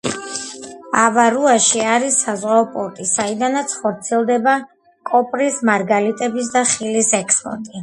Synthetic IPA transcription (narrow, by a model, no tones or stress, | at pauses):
avaɾuaʃiaɾisːazʁaɔpʼɔɾt̪ʼisaid̪anat̪sʰχɔɾt̪sʰiɛlˠd̪ɛba | kʼɔpʼɾismaɾɡalit̪ʼɛbis̬d̪aχilisɛkʰspʼɔ̰ɾt̪ʼi